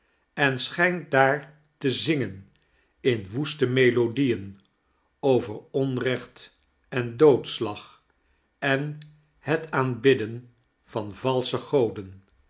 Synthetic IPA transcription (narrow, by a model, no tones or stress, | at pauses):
ɛnsχɛjnt̚daːɹ | təzɪŋən | ɪnʋustəmejlodijən | owvəɹɔnrɛχt | ɛndowtslɑχ | ɛn | hətaːnbɪdən | v̥ɑnvɑlˠsəχowdən